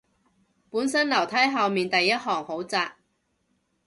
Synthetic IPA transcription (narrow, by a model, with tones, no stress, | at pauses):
puː˨˥nsɐ˥nlɐ˨˩wt̪ʰɐ˨˥jɦɐ˨˧wmiː˨nt̪ɐ˨jːɐ˥t̚ɦɔː˨˩ŋho˨˥wt͡saː˧k̚